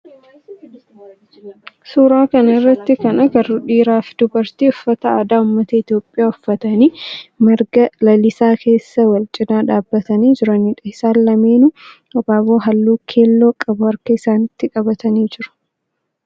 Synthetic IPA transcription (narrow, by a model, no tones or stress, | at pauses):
suːɾaːkɐnɐɪrːɐt̪ːɪkɐnɐɡɐrʊᶑiːɾaːfd̪ʊbɐɾt̪iːɔfːɐt̪ɐaːd̪aːʊmːɐt̪ɐɪt̪jo̞ːpʼːɪjaːɔfːɐt̪ɐniːmɪɾɡɐlɐlɪsaːkʰe̞ːsːɐwɐlt͡ʃʼɪd̪aːᶑaːbːɐt̪ɐniːd͡ʒɪɾɐnɪᶑɐɪsaːlːɐmeːnʊ | ɔbaːboːɦɐlːuːkʰe̞ːlːo̞ːkʼɐbʊhɐɾkɐɪsaːnɪt̪ːɪkʼɐbɐt̪ɐniːd͡ʒɪɾʊ̥